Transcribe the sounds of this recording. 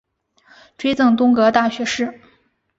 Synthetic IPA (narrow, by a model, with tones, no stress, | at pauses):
ʈ͡ʂwe˥ɪt͡sɤ˥˩ŋt̪ʊ˥ŋkɤ˧˥t̪a˥˩ɕɥɛ˧˥ʂɻ̩˥˩